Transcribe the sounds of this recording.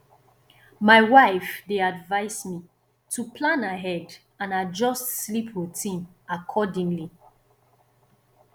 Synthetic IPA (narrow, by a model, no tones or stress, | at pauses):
maɪwaɪfdeadvaɪsmi | tʰupʰlãnaɦɛd | ãnad͡ʒɔstslipʰwutʰĩn | akʰɔdĩŋli